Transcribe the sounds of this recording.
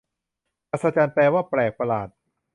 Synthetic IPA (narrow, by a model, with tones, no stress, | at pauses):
pa˧˩t̪saː˧t͡ɕaː˧nplɛː˧waː˥˩plɛː˨˩k̚pa˧laː˨˩t̪̚